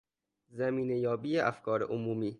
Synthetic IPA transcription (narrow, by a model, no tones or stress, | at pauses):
zæmiːnejɒːbiːeʔæfkʰɒːɾeʔomuːmiː